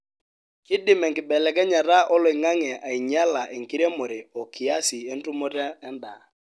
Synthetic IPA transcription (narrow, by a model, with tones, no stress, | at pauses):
kɪ˦dɪ˨mɛ˨ŋkɪ˨ɓɛ˨lɛ˨k̬ɛ˦ɲa˨ɾa˦ʔɔ˦lɔ˨i˨ŋa˦ŋɛ˨ʔa˨i˨ɲa˦la˨ʔe˨ŋ˨ki˦ɾe˦mo˨ɾɪ˨ɔ˨kɪ˨a˦sɪ˨ɛ˦n̩˦tu˦mɔ˦tɛ˦ɛ˦nda˨